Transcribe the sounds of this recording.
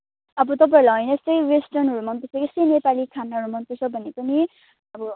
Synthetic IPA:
ʌbʌt̪ʌp̬aeɾlaɦʌjnʌsʌjwesʈʌrnɦʌɾumʌnt̪ʌseɡesenepalikʰanːaɦʌɾumʌnt̪it͡sʰʌbʱʌnːepʌni | ʌbʌ

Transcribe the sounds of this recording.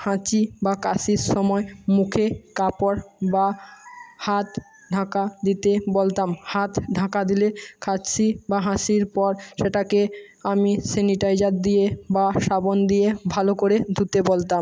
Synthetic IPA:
hãt͡ɕibakasiɾʃɔmɔemukʰekapoɾba | hat̪ | ɖʱãkad̪it̪ebolt̪amhat̪ɖʱãkad̪ilekʰatsʰibaɦãsiɾpɔɾʃeʈake | amiseniʈajd͡ʑaɾd̪ijebaʃabond̪ijebʱalokoɾed̪ʱut̪ebolt̪am

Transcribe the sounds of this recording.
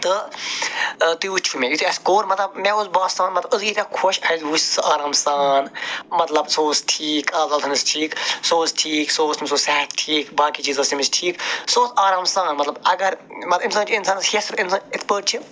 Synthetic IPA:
t̪ɨ | t̪uut͡ʃʰumẽjit̪ʰiɐskoːɾmɐt̪lɐbmɛuzbaːsaːnmɐt̪lɐɨziːt̪ʲɐkʰoʃɐjzʋusʲsɨʔaːɾaːmsaːnmɐt̪lɐbsoːsʈʰiːkʰaːzɐlt̪ʰɐnɨsʈʰiːksoːsʈʰiːksoːsimʲsoːsɛɦt̪ʈʰiːkbaːkiːt͡ʃiːzɐsimisʈʰiːksoːsaːɾaːmsaːnmɐt̪lɐbɐɡɐɾmɐt̪insaːnt͡ʃʰinsaːnshesɨbinsaːnɪt̪ʰpəːʈ̚t͡ʃʰi

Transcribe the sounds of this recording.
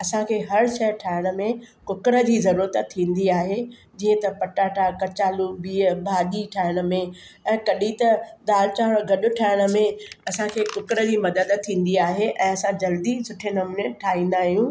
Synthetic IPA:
ɐsãkʰeːɦɐɾʃɐjəʈʰaːɪɽ̃ə̆mẽkʊkɾəd͡ʑiːzɐɾuːɾət̪t̪ʰːĩːn̆d̪iaːɦe | d͡ʑĩːə̃t̪ɐpɐʈaːʈʰakɐt͡ɕaːluɓiːəbʱaːʄiʈʰaːɪɽ̃ə̆mẽɛ̃ːkɐɗit̪ɐd̪aːlt͡ɕaːɽ̃ɡʱɐɗʊ̆ʈʰaːɪɽ̃ə̆mẽɐsãkʰeːkʊkɾə̆d͡ʑiːmɐd̪əd̪t̪ʰːĩːn̆d̪iaːɦeʔɛ̃ːɐsãd͡ʑɐld̪isʊʈʰenɐmuneʈʰaːɦĩːnd̪aːɦijũː

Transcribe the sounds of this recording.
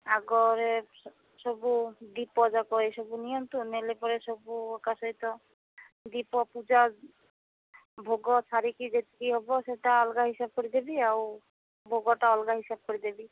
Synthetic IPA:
aɡɔɾe | sɔbud̪ipɔd͡ʒakɔesɔbunijɔnt̪unelepɔɾesɔbuekasɔɦit̪ɔ | d̪ipɔpud͡ʒa | bʱoɡɔt͡ʃʰaɾikid͡ʒet̪i̥kiɦɔbɔseʈaɔlɡaɦisab̚kɔɾid̪ebiaw | bʱoɡɔʈaɔlɡaɦisab̚kɔɾid̪ebi

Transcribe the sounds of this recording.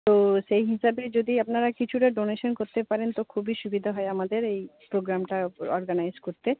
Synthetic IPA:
t̪oʃejɦiʃabed͡ʑod̪iapnaɾakit͡ɕʰuʈaɖoneʃonkoɾt̪epaɾent̪okʰubiʃubid̪ʱaɦɔeamad̪eɾejpɾoɡɾamʈaɔɾɡanajzkoɾt̪e

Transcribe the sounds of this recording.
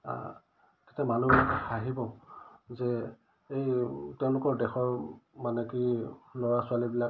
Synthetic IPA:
a̰ | ke̥tɛmanuaɦibɔzɛ | ejtɛʊ̃lʊkɔɹdɛxɔɹmanɛkilɔɹasʊalibila

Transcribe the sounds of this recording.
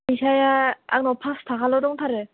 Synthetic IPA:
isajaa̰k̚nɔpʰast̪ʰakalɔdɔŋt̪ʰaɾɯ

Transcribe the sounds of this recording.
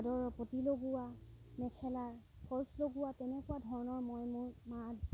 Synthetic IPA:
dɔɹpotiloɡʊwa | mɛkʰɛlaɹ | pʰɔɹsloɡʊwatɛnɛkʊwadʱɔɹɔnɔɹmɔjmuɹma

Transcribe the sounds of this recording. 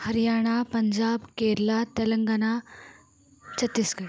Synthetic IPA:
hɐɾijaːɽ̃apəɲd͡ʑaːbkeɾlat̪ɐləŋɡana | t͡ɕʰɐt̪ːisɡɐɽ

